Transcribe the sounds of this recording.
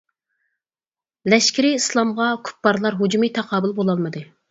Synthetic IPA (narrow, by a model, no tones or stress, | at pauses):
lɛʃkʲiɾɪislˠɑmʁɑkʰu̥pːɑɾlˠɑɾɦud͡ʒumit̪ʰɑqʰɑːbɨlˠbolˠɑlˠmɨd̪ɨ